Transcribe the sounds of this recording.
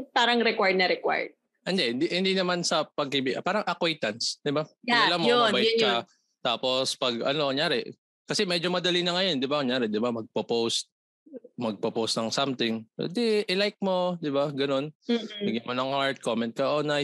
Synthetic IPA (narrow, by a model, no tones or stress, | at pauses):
paːɾɐŋɾɛkwaɹd̪̚nɐɾɛkwa̰ɹd̪̚ | ʔɐnd̪ɛhɪnd̪ihɪnd̪inɐmansɐpɐɡ̚hibipaːɾɐŋʔɐkwɛjt̪ɐnsd̪ɪbaɐlamoowɛkɐ | t̪aːpo̞spɐɡɐ̰no̞ŋjaːɾɛ | kɐsɛmɛd͡ʒomɐd̪ɐlinɐŋɐjo̞nd̪ɪbaŋjaːɾɛd̪ɪbamɐɡ̚popowst̪̚ | mɐɡ̚popowst̪nɐŋsamt̪ɪŋo̰d̪ɪʔɪlajk̚mo̞d̪ɪbaɡɐno̞nːbɪɡɪnmonɐŋhaɹt̪̚komɛnt̪̚kɐʔoːnɐ